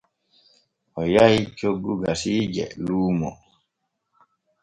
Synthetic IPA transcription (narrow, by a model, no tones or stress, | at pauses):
ʔɔjait͡ʃoɡːuɡasiːd͡ʒɛ̰luːmɔ̰